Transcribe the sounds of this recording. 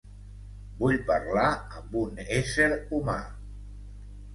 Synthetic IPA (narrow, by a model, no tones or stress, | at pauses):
buʎpəɾlaəmbuneseɾuma̰